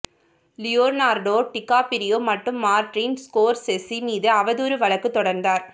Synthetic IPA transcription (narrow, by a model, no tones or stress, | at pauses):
lɪjoːɾnaːɾɖoːʈɪkːaːpɪɾɪjoːmɐʈːɯmːaːɾʈriːnskoːɾsɛsːimiːðɯɐʋɐðuːɾɯʋɐɭɐkːɯt̪ːɔɽɐɾnd̪aːɾ